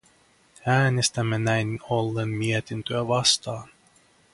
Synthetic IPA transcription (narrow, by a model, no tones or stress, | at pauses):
æːnest̪æmːænæjnolːenmiet̪int̪øæʋɑst̪ɑːn